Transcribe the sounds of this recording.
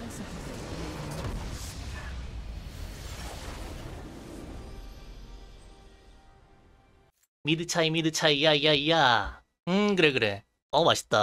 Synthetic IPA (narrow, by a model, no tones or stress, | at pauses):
midɯt͡ɕʰaimidɯt͡ɕʰaijaijaija | ɯkɯɾe̞kɯɾe̞ | ʌmaɕʰi̥t͈a